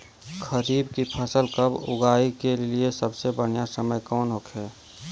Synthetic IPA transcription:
kʰəɾiːbkipʰəsəlkəbʊ̰ɡaːikeliesəbsebəɽ̤ijasəməjkɔːnɦoːkʰɛː

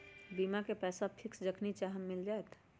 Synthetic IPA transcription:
bimakepɛːsapʰiksd͡ʒəkʰnit͡ʃaɦəmmild͡ʒaet̪ʰ

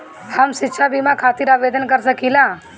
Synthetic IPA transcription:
hɐmsɪtːʃʰabimãkʰaːt̪iɾaːʋeːd̪ənkəɾs̬əkilãː

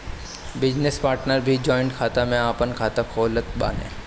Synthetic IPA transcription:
bɪd͡ʒnespaːɾʈnəɾbʱid͡ʒɔːɪ̃ɳʈkʰaːt̪amẽaːpənkʰaːt̪akʰoːlət̪ba̰ːnḛ̃ː

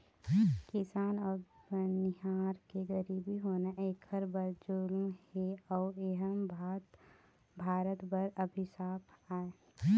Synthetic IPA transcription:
kɪsaːnɔːɾbnɪɦaːɾkeɡəɾiːbiɦoːnaʔeːkʰəɾbəɾd͡ʒʊlmheɔːeɦəmbʱaːt̪ | bʱaːɾət̪bəɾəbʱisaːpʰaːe

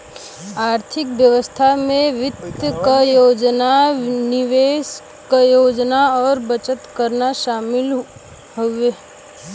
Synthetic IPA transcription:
aːɾt̪ʰɪkbjəʋəst̪ʰamẽʋɪt̪kəjoːd͡ʒnanɪʋeːs | kəjoːd͡ʒnaɔːɾbət͡ʃət̪kəɾnaʃaːmɪl | ɦueː

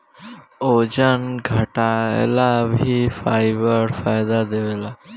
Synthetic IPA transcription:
oːd͡ʒənɡʱəʈaḛlabʱifaːɪbəɾfaːjd̪ad̪eʋeːlaː

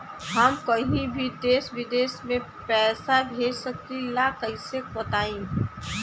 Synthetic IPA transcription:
ɦɐmkɐɦĩbʱid̪eːsʋɪd̪eːsmẽ | pɛːsabʱeːd͡ʒsɐk̚t̪ilaːkəɪsek̚bɐt̪aːĩ

